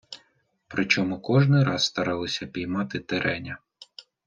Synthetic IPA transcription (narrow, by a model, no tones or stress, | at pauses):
pɾɪt͡ʃɔmukɔʒnɪɾɑsst̪ɐɾɑlˠɔsʲɐpʲijmɑt̪ɪt̪eɾʔɛnʲɐ